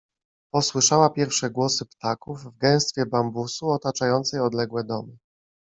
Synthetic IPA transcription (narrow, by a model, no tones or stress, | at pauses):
pɔswɘʂawapʲjɛɾfʂɛɡwɔsɘpt̪akuvvɡɛ̃w̃st̪fʲjɛbambusuɔt̪at͡ʂajɔnt̪sɛjɔd̪lɛɡwɛd̪ɔmɘ